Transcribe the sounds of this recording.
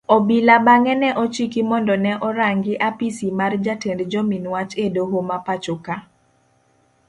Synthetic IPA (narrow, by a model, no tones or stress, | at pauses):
ɔbilabaŋɛnɛʔɔt͡ʃikimɔndɔnɛʔɔɾaŋɡɪʔapisimard͡ʒatendd͡ʒɔminwat͡ʃedoɦomapat͡ʃoka